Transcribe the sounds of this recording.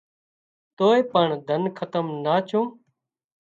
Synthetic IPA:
t̪oːeːpəɳd̪ʱənkʰət̪əmnaːt͡ʃʰõː

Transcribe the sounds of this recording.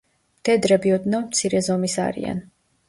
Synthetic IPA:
t̪ʰɛd̪ɾɛbiɔd̪nɔmt̪sʰiɾɛzɔmisa̰ɾḭa̰n

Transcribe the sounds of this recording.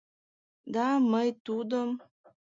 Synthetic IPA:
d̪ɑməjt̪ud̪əm

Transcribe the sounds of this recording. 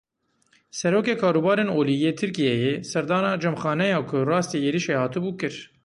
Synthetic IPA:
sɛɾoːkeːkʰɑːɾuːbɑːɾeːnoːlijeːt̪ʰɨɾkijɛjesɛɾd̪ɑːnɑːd͡ʒɛmxɑːnɛjɑːkʰʊrɑːst̪iːeːɾiʃeːhɑːt̪ɨbuːkɨɾ

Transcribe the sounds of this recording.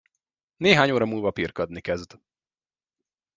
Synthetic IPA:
neːɦaːɲoːɾɒmuːlvɒpirkɒd̪nikɛzd̪

